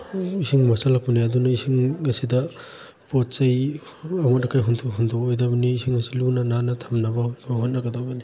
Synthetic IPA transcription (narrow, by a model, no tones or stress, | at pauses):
isiŋmasalakpunaadunaisiŋɐsidɐ | pot̚t͡ʃaj | amɔt̚ːakajɦuntʰɔkhundʱɔkojdabɐniːsiŋɐsilunananɐtʰamnabɐbaɦot̚nɐɡɐdobɐni